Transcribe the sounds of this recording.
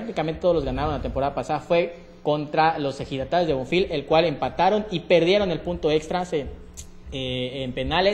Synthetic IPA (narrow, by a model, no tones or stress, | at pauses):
ɾak̚t̪ikame̞nt̪et̪ooɣanaɾo̞nlat̪e̞mpo̞ɾaðapasaðafwe̞ | ko̞nt̪ɾalo̞sexiðat̪ajozðeoɱfile̞lkwale̞mpat̪aɾo̞nipe̞ɾðje̞ɾo̞ne̞lpunt̪o̞ekst̪ɾase | eːmpe̞nale